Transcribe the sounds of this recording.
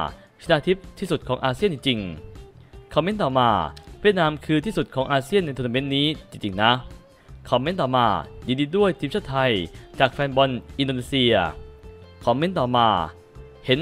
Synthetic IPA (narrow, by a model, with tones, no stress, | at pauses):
t͡ɕʰi˧naː˧t̪ʰi˦˥p̚t̪ʰːiː˥˩su˨˩t̪̚kʰɔː˩˦ŋʔaː˧si˥əni˧ŋt͡ɕi˧ŋ | kʰɔ˧mːe˦˥nt̪ɔː˨˩maː˧wi˥˩ət̪̚naː˧mkʰɯː˧t̪ʰiː˥˩su˨˩t̪̚kʰɔː˩˦ŋʔaː˧si˥˩əna˧jt̪ʰːna˧me˦˥n̚niː˦˥t͡ɕi˧ŋt͡ɕi˧ŋna˦˥ | kʰɔː˧me˦˥nt̪ɔː˨˩maː˧diː˧diː˧du˥˩əjt̪ʰiː˧˦mt͡ɕʰa˥˩t̪ʰa˧jt͡ɕaː˨˩k̚fɛː˧nbɔ˧nʔi˧ndoː˧niː˧˥si˧ɐ | kʰɔː˨˧mːe˦˥nt̪ɔː˨˩maː˧ | he˩˦n